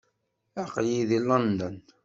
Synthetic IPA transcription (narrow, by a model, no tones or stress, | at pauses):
aqliðilɑnd̪ən